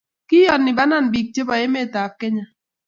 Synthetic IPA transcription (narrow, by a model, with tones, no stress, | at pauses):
ki˦jɔ˨nːi˨ba˦na˦˨n˨bi˨k̚t͡ʃe˦ba˨je˦me˦˨ta˨kːe˦ɲa˨